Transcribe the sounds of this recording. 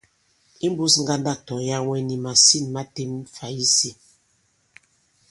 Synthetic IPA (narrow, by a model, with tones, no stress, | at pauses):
i˦m˦bu˦sŋ̩˦ɡa˦nda˦˨tɔ˨ja˦wɛ˦ni˨ma˨si˦˨nma˦te˦mfa˨i˦si˨